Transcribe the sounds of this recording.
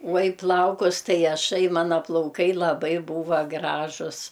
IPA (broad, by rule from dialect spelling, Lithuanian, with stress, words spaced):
uɔ ɪ ˈplˠɐʊkʊs ˈtɐɪ ɐˈʃɐɪ ˈmɑːnɐ plˠɐʊˈkɐɪ lˠɐˈbɐɪ ˈbuːʋɐ ˈɡrɑːʒʊs